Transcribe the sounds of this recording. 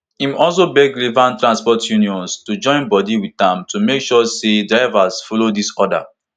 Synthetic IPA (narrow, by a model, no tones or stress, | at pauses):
ĩmɔls̬obɛɡɾivãntɾɹãnspɔtʰjuniɔ̃nstud͡ʒɔ̃ɪ̃nbɔdiwitãmtumekʃɔsedɹaɪvasfɔlodisɔda̰